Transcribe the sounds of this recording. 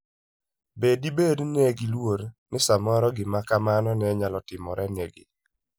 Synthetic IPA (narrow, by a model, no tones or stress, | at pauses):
bedibednɛɡɪlwoɾnɪsamɔɾɔɡɪmakamanɔnɛɲalɔtɪmɔɾɛnɛɡɪ̰